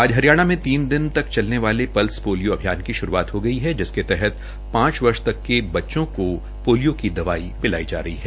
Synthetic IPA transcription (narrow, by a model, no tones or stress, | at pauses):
aːd͡ʒɦɐɾijaːɽ̃amẽt̪iːnd̪ɪnt̪ɐkt͡ʃɐlneʋaːlepɐlspoːljoɐbʱijaːnkiʃʊɾuaːt̪ɦoɡɐiɦɛd͡ʒɪsket̪ɛɦɛt̪ | pãːt͡ʃʋɐɾʃt̪ɐkːebɐtːʃõko | poːlijokid̪ɐʋaːibɪla̰ːid͡ʒa̰ːɾɐɦiɦɛː